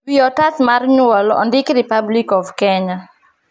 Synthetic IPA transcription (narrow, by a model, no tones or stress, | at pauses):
biɔtatmarɲwɔlɔ̰ndɪkɾipablikɔvkɛɲa